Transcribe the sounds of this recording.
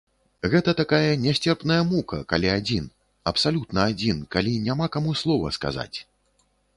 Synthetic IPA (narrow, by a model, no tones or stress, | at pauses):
ɣɛt̪ɐt̪akajɐnʲɛsʲt͡sʲɛrpnɐjɐmukɐkalʲiad͡zʲin | ɐpsalʲut̪nɐad͡zʲinkalʲinʲamakamuslˠɔvɐ̰ska̰za̰t͡sʲ